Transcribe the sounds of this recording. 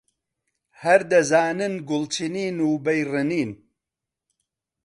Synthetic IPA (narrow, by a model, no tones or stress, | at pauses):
hɐɾd̪ɐzaːnɨnɡʊlt͡ʃʰiniːnuːbɐjrɨniːn